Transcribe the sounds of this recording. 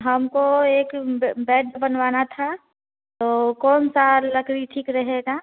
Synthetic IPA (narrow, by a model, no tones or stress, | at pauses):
ɦəmkoeːkbɛːʈbənʋaːnat̪ʰa | t̪oːkɔːnsaːɾləkɾiʈʰiːkɾɐɦeɡaː